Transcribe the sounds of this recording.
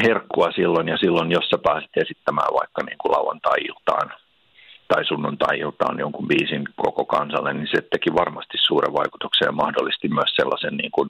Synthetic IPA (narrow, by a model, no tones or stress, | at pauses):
herkːuɑsilːonjɑsilːonjosːɑpæːsi̥t̪esit̪ːæmæ̰ːʋʋɑ̰ikːɑnḭːŋkulɑuwʋɑ̰nt̪ɑiḭlt̪ɑ̰ːn | t̪ɑisunːont̪ɑiilt̪ɑ̰ːnjoŋkumbiːsinkokokɑnsɑ̰lːenniset̪ːekiʋɑrmɑst̪issuːrḛʋʋɑiku̥t̪uksejɑmɑhdolːist̪immyøsselːɑ̰senniːŋkun